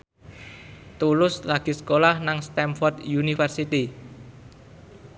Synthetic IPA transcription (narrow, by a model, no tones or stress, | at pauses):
t̪ulʊslaɡ̥i̤skolahnaŋst̪ɛmfɔrd̪junifɛrsit̪i